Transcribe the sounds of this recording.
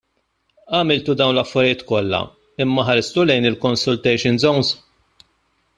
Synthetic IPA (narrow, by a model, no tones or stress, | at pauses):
ɐmɪlt̪ud̪ɐwnlɐfːɐɾɪjɪːt̪kɔlːɐ̰ | ɪmːɐħɐɾɪst̪ulɛjnɪlkɔnsʊlt̪ɛjʃɪnzɔwnz